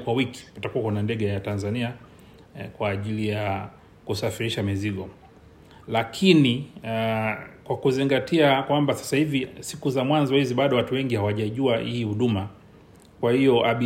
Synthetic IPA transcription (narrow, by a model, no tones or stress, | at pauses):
kwawiki̥utakuwakɛnandɛɠɛjatanzania | kwaːʄilija | kusafiɾiʃamiziɠɔ | lakʰini | kwakuziŋɡatiakwambasḁsahivisikuzamwanzɔhiziɓaɗɔwatuwɛŋɡihawaʄaʄuahḭhːhuɗuma | kwahiɔʔaɓi